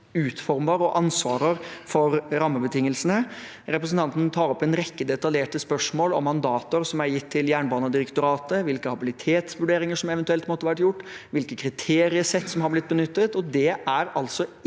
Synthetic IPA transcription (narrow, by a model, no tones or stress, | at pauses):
ʉːt̪fɔɾməɾɔʔɑnsʋɑːɾəɾfɔɾɾɑmːəbət̪ʰɪŋːəlsənə | ɾɛpɾəsn̩t̪ɑnt̪ən̩t̪ʰɑːɾɔpːɛnɾɛkːəd̪ɛt̪ɑljeːʈəspœʂmoːlɔ̰mːɑnd̪ɑːt̪əɾsɔmæɾjɪt̪ʰːɪljæːɳbɑːnəd̪ɪɾəkt̪ʊɾɑːt̪əʋɪlkəhɑbɪlɪt̪ʰeːt̪sʋʉɖeːɾɪŋəʂɔmɛʋɛnt̪ʉɛlt̪mɔt̪ːəʋæʈjʊʈːʋɪlkəkʰɾɪt̪ʰeːɾɪəsɛt̪ːsɔmhɑblɪt̪̚bənʏt̪ːət̪ɔd̪ɛʔæɾɑlt̪sɔ